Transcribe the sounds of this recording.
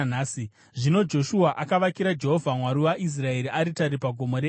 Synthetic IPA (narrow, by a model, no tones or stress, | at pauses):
naːsi | ʐino̞d͡ʒo̞ʃuaʔakaʋakiɾad͡ʒe̞ɦo̞vʱamwaɾiwaʔis̬rae̞ɾiʔaɾitaɾipaɡʱo̞mo̞ɾe